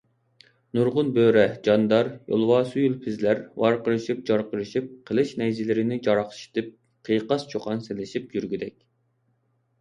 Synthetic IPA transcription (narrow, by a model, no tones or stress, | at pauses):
nuɾʁʊnbøɾɛd͡ʒɑnd̪ɑɾjo̰lˠwɑːsujulˠpʰɪzlæɾwɑɾqəɾɨʃip̚d͡ʒɑɾqəɾɨʃip̚qʰəlˠɨʃnɛjzɪlɪɾɪnɪd͡ʒɑɾɑχʃi̥t̪ʰɨp̚ | qʰəjqɑst͡ʃʰoqʰɑnselɪʃip̚jyɾɡʲyd̪ɛkʲ